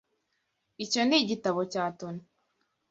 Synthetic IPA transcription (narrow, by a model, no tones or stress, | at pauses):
ico̞niɟitaβo̞caːtoni